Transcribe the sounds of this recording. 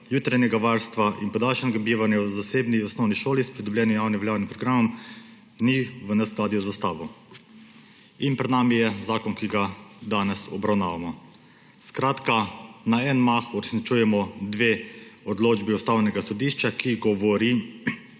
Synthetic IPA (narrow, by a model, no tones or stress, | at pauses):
juːt̪ɾajnɛɡaʋaɾst̪ʋaʔinpɔd̪aːlʃɛnɛɡabiːʋanjawzaseːbniɔsnɔwniʃoːlispɾid̪ɔblʲjɛːnjɔjaːwniʋɛljaːwnipɾɔɡɾamɔm | niʋənɛsklaːd̪iɔzast̪aːʋɔ | inpɾɛd̪naːmijɛzaːkɔnkiɡad̪aːnɛsɔbɾawnaːʋamɔ | skɾaːt̪kanaɛnmaxuɾɛsnit͡ʃuːjɛmɔd̪ʋeɔd̪loːd͡ʒbiɔst̪aːwnɛɡasɔd̪iːʃt͡ʃakiɡɔʋɔɾi